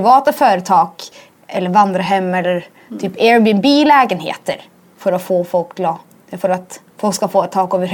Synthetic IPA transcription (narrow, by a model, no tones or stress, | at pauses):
ɪvɑːt̪afœːɾət̪ʰɑːɡ | ɛlːəɾvand̪ɾaɦɛmːɛlːəɾ | t̪ʰyːpeːɾbənbiːlɛːɡənhḛːt̪ə̰ɾ | fœɾɔfoːfɔlklɑː | fœɾat̪ | fɔlkskafoːɛt̪ʰːɑːkɔvə